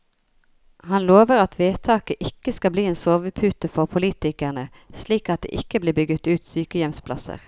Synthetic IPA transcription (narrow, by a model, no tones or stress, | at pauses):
hɑnloːʋəʁɑt̪ʋeːt̪ʰɑːkəʔɪkːəskɑbliːeːnsoːʋəpʰʉːt̪əfɔʁpʰʊliːt̪ɪkæʁnə | sliːkɑt̪̚d̪ḛːʔɪkːəbliːbʏːɡət̪ʉːt̪syːkəjɛmspʰlɑ̰sə̰ʁ